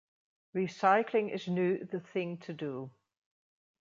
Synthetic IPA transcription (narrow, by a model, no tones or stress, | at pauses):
ɹisaɪkʰlɪ̃ŋɪ̰znjʉːðəθɪ̃ŋtʰədu